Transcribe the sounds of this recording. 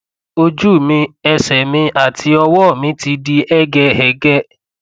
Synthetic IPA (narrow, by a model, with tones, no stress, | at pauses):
o˧d͡ʒu˦˨mĩ˧ɛ˧sɛ˨mĩ˧ʔa˦˨tʰi˧ɔ˧wɔ˦˨mĩ˨˦ti˧di˧ɛ˦ɡɛ˧hɛ˨ɡɛ˦˨